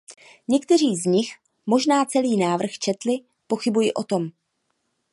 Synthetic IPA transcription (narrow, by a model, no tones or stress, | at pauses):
ɲɛkt̪ɛr̝iːzɲɪx | mo̞ʒnaːt͡sɛliːnaːvr̩xt͡ʃɛt̪lɪ | po̞xɪbujɪʔo̞t̪o̞m